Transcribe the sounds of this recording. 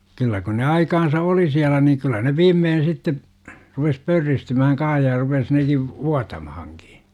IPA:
kylːæ kun ne ɑikɑnsɑ oli siælæ niːŋ kylːæ ne ʋiːmːeːn̞ sitːe rupes pørːistymæhæŋ kɑ̃ːh jɑ rupes neki ʋuɑtɑmɑhɑŋki̥

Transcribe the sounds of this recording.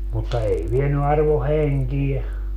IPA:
mutːɑ ei ʋieny ɑrʋo heŋkiɛ

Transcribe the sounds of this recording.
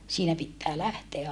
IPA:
siːnæ pitːæː læhteæ

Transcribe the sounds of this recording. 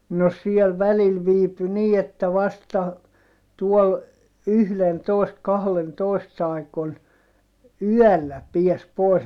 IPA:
no siel ʋælil ʋiːpy niː etːæ ʋɑstɑ tuɔl yhlentoˑist kɑhlentoˑist ɑikon yœˑlːæ piæs pois

